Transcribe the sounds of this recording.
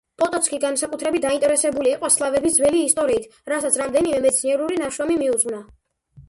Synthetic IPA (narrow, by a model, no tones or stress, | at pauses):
pʼɔt̪ʼɔt̪sʰkʰʼiɡansakʼut̪ʰɾɛbit̪̚d̪aint̪ʼɛɾɛsɛbuliːqʼwaslˠavɛbisd̪zvɛliːst̪ʼɔɾiːt̪ʰɾasat̪sʰɾamd̪ɛnimɛmɛt̪sʰniɛɾuɾinaʃamimiud̪zʼʁvna